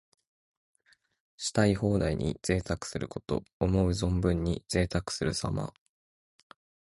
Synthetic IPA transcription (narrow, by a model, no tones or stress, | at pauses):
ɕi̥t̪aiho̞ːd̪aiɲ̟ḭz̥e̞ːt̪akɯ̟̥sɨɾɯ̟ko̞t̪o̞̰ːmo̞ɯ̟zõ̞mbɯ̟̃ɲ̟ːiz̥e̞ːt̪akɯ̟̥sɨɾɯ̟sama̰